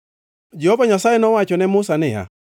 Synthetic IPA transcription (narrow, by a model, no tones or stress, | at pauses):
d͡ʒɛhovaɲasajenɔwat͡ʃɔnɛmʊsanɪja̰